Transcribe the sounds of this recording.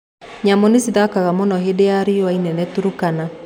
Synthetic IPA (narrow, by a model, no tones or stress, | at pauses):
ɲamonesiðakaɣamɔnɔɦedejaɾeoainɛnɛtuɾukana